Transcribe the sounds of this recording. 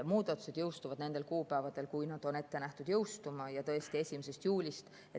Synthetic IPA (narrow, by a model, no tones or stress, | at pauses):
muːd̪̥ɑt̪ːˑu̥se̞d̪̥jɤwst̪uvɑd̪̥ne̞nd̪̥e̞lkuːpæevɑd̪̥e̞lkujnɑd̪̥o̞ne̞t̪ːe̞næht̪ud̪̥jɤwst̪umɑjɑt̪ɤ̞est̪ie̞sʲimese̞st̪juːlʲist̪ | e